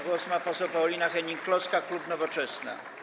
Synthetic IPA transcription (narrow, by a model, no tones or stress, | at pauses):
ɡwɔsmapɔsɛwpawlʲinaxɛɲiŋkːlɔskaklupnɔvɔt͡ʂɛsna̰